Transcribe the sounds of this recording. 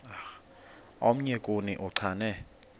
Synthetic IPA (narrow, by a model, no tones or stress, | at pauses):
ax | om̩ɲɛkʼunḭʔuǀʰaːnɛ